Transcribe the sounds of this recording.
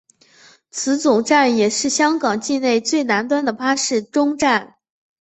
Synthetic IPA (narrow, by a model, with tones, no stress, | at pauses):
t͡sʰɹ̩˧˥t͡sʊ˨˩ŋʈ͡ʂa˥˩njɛ˨˩ʂɻ̩˥˩ɕjɑ˥ŋkɑ˨˩ŋt͡ɕi˥˧ne˥˧ɪt͡swe˥˩ɪna˧˥nt̪̬wa˥nd̪ə˨pʰa˥ʂɻ̩˥˩ʈ͡ʂʊ˥ŋʈ͡ʂa˥˩n